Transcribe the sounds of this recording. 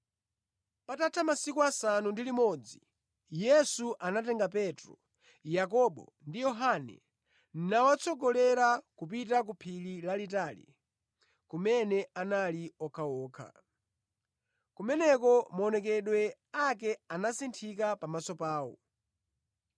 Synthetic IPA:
patatʰamasikuasanundilimɔd͡zi | jɛsuʔanatɛŋɡapɛtɾɔ̰ | jak̬ɔɓɔ̰ndijɔɦanɛ̰ | n̩nawat͡sɔɡɔlɛɾakup̬it̬ak̬upʰililalit̬alḭ | kumɛnɛanaliɔkʰaɔːkʰa̰ | kumɛnɛkɔmɔnɛk̬ɛɗwɛ | akɛanasintʰikapamasɔpaːwɔ̰

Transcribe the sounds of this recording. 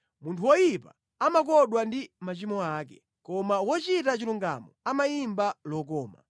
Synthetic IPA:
muntʰuwɔjipa | amak̬ɔɗwandimat͡ʃimɔaːk̬ɛ̰ | kɔmawɔt͡ʃitat͡ʃiluŋɡa̰mɔamajimbalɔkɔːma̰

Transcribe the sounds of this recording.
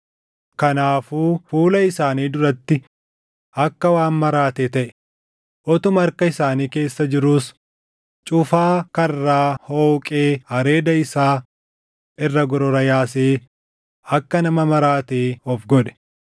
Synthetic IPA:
kɐnaːfuːfuːlɐɪsaːniːd̪ʊɾɐt̪ːɪ | ɐkːɐwaːnmɐɾaːt̪eːt̪ɐʔɛ̥ | ʔɔt̪ʊmɐɾkɐɪsaːniːke̞ːsːɐd͡ʒɪɾuːs | t͡ʃʼʊfaːkɐrːaːhoːkʼeːhɐɾe̞ːd̪ɐɪsaː | ɪrːɐɡɔɾɔɾɐjaːseː | ɐkːɐnɐmɐmɐɾaːt̪eːɔfɡɔᶑɛ̥

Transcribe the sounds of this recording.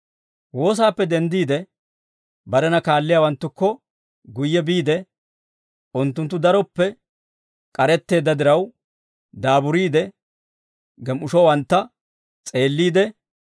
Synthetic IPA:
wo̞ːs̬aːpːɛd̪ɛnd̪iːd̪ɛ | bɐɾɛnɐkaːlːɪjaːwɐnt̪ːʊkːɔ | ɡʊjːɛbiːd̪ɛ | ʊnt̪ːʊnt̪ːʊd̪ɐɾɔpːɛ | kʼɐɾɛt̪ːe̞ːd̪ːɐd̪ɪɾɐw | d̪aːbʊɾiːd̪ɛ | ɡɛmʊʃɔwɐnt̪ːɐ | t͡sʼe̞ːlːiːd̪ɛ

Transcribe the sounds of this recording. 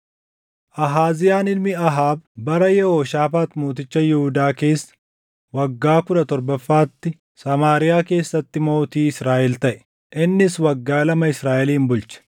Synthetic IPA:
ʔɐɦaːzɪjaːnɪlmɪɐɦaːbbɐɾɐjɛhoːʃaːfaːt̪moːt̪ɪt͡ʃːɐjɪhʊd̪aːke̞ːsːɐ̥ | wɐɡːaːkʊᶑɐt̪ɔɾbɐfːaːt̪ːɪ | sɐmaːɾɪjaːke̞ːsːɐt̪ːɪmo̞ːt̪iːɪsɾaːʔɛlt̪ɐʔɛ̥ | ʔɪnːɪswɐɡːaːlɐmɐɪsɾaːʔɛliːmbʊlt͡ʃɐ̥

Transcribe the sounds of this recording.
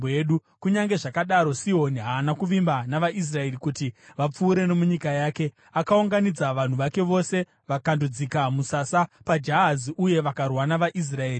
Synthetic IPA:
eɗu | kuɲaŋɡe̞ʐakaɗaɾo̞siɦo̞niɦaːnakuʋimbanaʋaʔis̬rae̞rikutiʋap͡fuːɾe̞no̞muɲikajaːke̞ | akauŋɡanid͡zaʋan̤uʋake̞ʋo̞se̞ | ʋakandud͡zikamusasapad͡ʒaɦaziʔuje̞ʋakarwanaʋaʔis̬rae̞ːri

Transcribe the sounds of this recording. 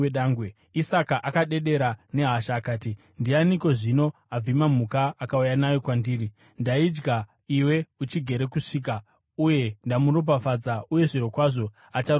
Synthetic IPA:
eɗaːŋɡwe | isakaʔakaɗe̞ɗe̞ɾane̞ɦaʃaːkaːti | ndianiko̞ʐino̞ | ab͡vimam̤ukaːkaujanajo̞kwandiːri | ndaid͡ʒɡa | iwe̞ut͡ʃiɡʱe̞ɾe̞kuʂiːk̬a | uje̞ndamurop̬afad͡zauje̞ʐiɾo̞kwaʐo̞ | at͡ʃa

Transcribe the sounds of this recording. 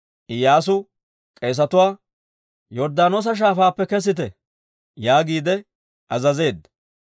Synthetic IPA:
ʔɪjaːs̬ʊ | kʼe̞ːs̬ɐt̪ʊwaː | jɔɾd̪aːnoːs̬ɐʃ̬aːfaːpːɛkɛs̬ɪt̪ɛ | jaːɡiːd̪ɛ | ʔɐzɐze̞ːd̪ːɐ̥

